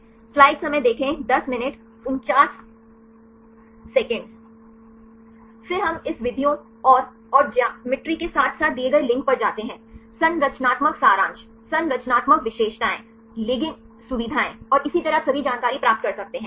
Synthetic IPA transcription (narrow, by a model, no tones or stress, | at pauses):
flaːɪɖsɐməjd̪eːkʰẽd̪ɐsmɪnɪʈ | ʊnt͡ʃaːs | ɛkə̃ɳɖ | fɪɾɦɐmɪsʋɪd̪ʱijo | ɔːɾ | ɔːɾd͡ʒaːmɪʈɾikesaːt̪ʰsaːt̪̚d̪ieɡɐelɪ̃ŋk̚pɐɾd͡ʒaːt̪eɦɛ̃ːsɐ̃nɾɐt͡ʃnaːt̪məksaːɾãːnt͡ʃ | sɐ̃nɾɐt͡ʃnaːt̪məkʋɪʃeːʃʈaːẽ | lɪɡɪ̃ŋ | sʊʋɪd̪ʱaːẽɔːɾɪsit̪ɐɾəsɐbʱid͡ʒaːnkaːɾipɾaːp̚t̪kɐɾsɐk̚t̪eɦɛ̃ː